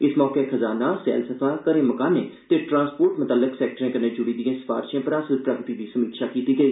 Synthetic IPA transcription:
ɪsmɔːkekʰəzaːnaːsɛ̰ːlsəfʰaːkəɾẽːməkaːneːt̪eːʈɾãːnspoːɾʈmʊt̪aːlɪksɛːk̚ʈəɾẽːkəneːd͡ʒʊɽiːd̪iãːsə̥fa̰ːɾʃãːpəɾaːsəlpɾəɡt̪iːd̪iːsəmiːkʃaːkiːt̪iːɡəiː

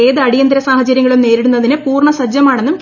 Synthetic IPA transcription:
eːðɨɐɽijɐnd̪ɾɐsaːhɐt͡ɕɐɾjɐŋːɐɭumne̞ːɾiɽunːɐðinɨpuːrɳɐsɐd͡ʑjɐmaːɳe̞nːumk

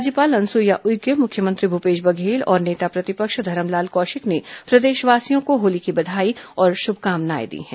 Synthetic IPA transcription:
aːd͡ʒjəpaːlɐ̃nsujaʔʊjɡəmʊkʰjəmɐ̃nt̪ɾibʱupeːʃbɐɡʱeːlɔ̰ːɾneːt̪apɾɐt̪ɪpəkʃd̪ʱɐɾəmlaːlkɔːʃɪknepɾɐd̪eːʃʋaːsijõkoɦoːlikibɐd̪ʱaːiɔːɾʃʊbʱkaːmna̰ːjḛd̪ḭɦɛ̰̃ː

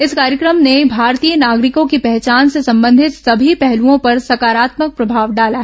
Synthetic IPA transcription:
ɪskaːɾjəkɾəmnebʱaːɾt̪ijənaːɡɾɪkõkipɛɦt͡ʃaːnsesɐ̃mbə̃nd̪ʱɪt̪sɐbʱipɛɦluõpɐɾsɐkaːɾaːt̪mək̚pɾɐbʱaːʋɖaːlaɦɛ

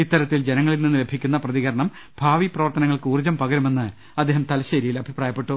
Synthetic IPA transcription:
it̪ːɐɾɐt̪ːild͡ʑenɐŋːɐɭilninːɨle̞bʱikʲːunːɐprɐðiɣɐɾɐɳɐm | b̥ʱaːʋiprɐʋɐrt̪ɐnɐŋːɐɭkɨuːrd͡ʑɐmpɐɡɐɾume̞nːɨ | ɐd̪ːeːɦɐmt̪ɐlɐɕɐɾijilɐbʱipraːjɐpːe̞ʈːu

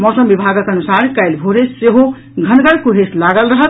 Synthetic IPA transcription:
mɔsəmbibʱaɡəkənusaɾkajlbʱoɾesseɦo | ɡʱənɡəɽkuɦeslaɡəlɾəɦət̪

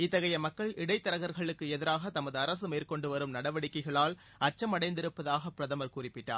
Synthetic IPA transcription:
ɪt̪ːɐɣɐjɐmɐkːɐɭɪɽɐɪt̪ːɐɾɐɣɐɾɣɐɭɯkːɯɛðɪɾaːɣɐt̪ɐmɐðɯɐɾɐsɯmeːrkɔɳɖɯʋɐɾɯmnɐɽɐʋɐɽɪkːɐɪɣɐɭaːl | ɐt͡ʃːɐmɐɽɐɪnd̪ɪɾɯpːɐðaːɣɐpːɪɾɐðɐmɐɾkuːrɪpːɪʈːa̰ːɾ

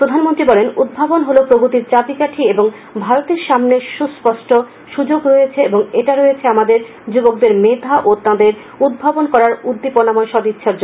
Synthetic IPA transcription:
pɾod̪ʱanmont̪ɾibɔlenud̪̚bʱabonɦolopɾoɡut̪iɾt͡ɕapikaʈʰieboŋ | bʱaɾot̪eɾʃamneʃuspɔʃʈo | ʃud͡ʑoɡɾojet͡ɕʰeeboŋeʈaɾojet͡ɕʰeamad̪eɾ | d͡ʑubok̚d̪eɾmed̪ʱaʔot̪ãd̪eɾ | ud̪̚bʱabonkɔɾaɾud̪ːiponamɔeʃɔd̪itːɕʰaɾd͡ʑo

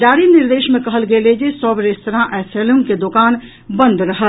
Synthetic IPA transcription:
d͡ʒaːɾiniɾd̪eːʃmẽkəɦəlɡeled͡ʒesəbɾest̪əɾãʔɛseluŋɡked̪okaːn | bə̃nd̪ɾəɦəl

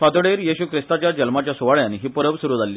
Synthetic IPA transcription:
fat̪oɽeɾjiɕuːkʰɾist̪at͡ɕjad͡ʑəlmat͡ɕjasuʋaɭjanɦiːpəɾəʋsuɾuːd͡zʱalːiː

